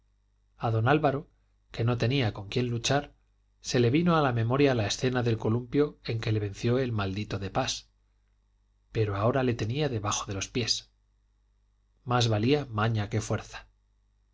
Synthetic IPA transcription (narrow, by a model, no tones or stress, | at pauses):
aðo̞nalβaɾo̞ | ke̞no̞t̪e̞niako̞ŋkje̞nlut͡ʃaɾ | se̞le̞βino̞alamẽ̞mo̞ɾjaːlae̞sθe̞naðe̞lko̞lumpjo̞e̞ŋke̞le̞β̞e̞nθjo̞e̞lmald̪it̪o̞ðepas | pe̞ɾo̞ao̞ɾale̞t̪e̞niaðe̞βaxo̞ð̞e̞lo̞spje̞s | mazβaliamaɲake̞fwe̞ɾθḁ